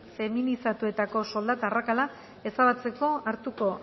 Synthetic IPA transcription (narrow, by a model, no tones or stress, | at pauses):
fe̞minisat̪ue̞t̪ako̞so̞ld̪at̪arakala | e̞saβat͡se̞ko̞aɾt̪uko̞